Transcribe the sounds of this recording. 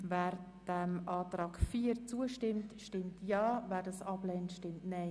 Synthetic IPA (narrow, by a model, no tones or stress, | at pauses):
vɛːɾ | d̥ɛmɑːtɾɑːɡfiːɾt͡suəʃtɪmtʃtɪmtjɑːvɛːɾdɑsɑblɛːntʃtɪmtnaɪ